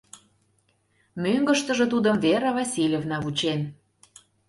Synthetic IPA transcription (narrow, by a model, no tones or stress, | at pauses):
møŋɡə̆ʃt̪ə̆ʒĕt̪ud̪ə̆mveɾɑvɑsʲilʲevnɑβut͡ɕen